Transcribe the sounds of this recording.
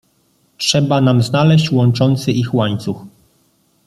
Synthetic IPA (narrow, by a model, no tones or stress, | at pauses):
tʂɛbanamznalɛɕt͡ɕwɔnt͡ʂɔnt̪sɘixwaɲt̪sux